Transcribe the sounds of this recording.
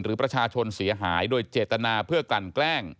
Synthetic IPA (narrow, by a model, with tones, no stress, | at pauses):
nɾɯː˩˦pɾa˧t͡ɕʰaː˧t͡ɕʰo˧nsi˩˦ɐɦaː˩˦jdoː˧jt͡ɕeː˨˩t̪ːa˧naː˧pʰɯ˥˩ɐkla˨˩nklɛː˥˩ŋ